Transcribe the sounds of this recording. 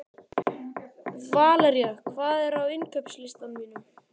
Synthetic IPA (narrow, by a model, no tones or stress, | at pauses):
vaːlaɾjɛxkʰvaːðɛɾ̥awɪnkʰœpslɪst̪anmiːnʏm